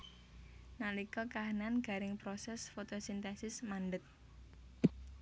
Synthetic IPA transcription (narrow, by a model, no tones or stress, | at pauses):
nalikɔkaɦananɡ̥a̤ɾɪŋpɾosɛsfot̪osint̪ɛsɪsmaɳɖət̪̚